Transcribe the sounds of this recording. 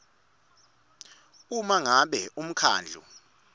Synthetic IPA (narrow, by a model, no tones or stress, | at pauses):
umaŋaɓɛum̩kʰa̰ːnd͡ɮʱṵ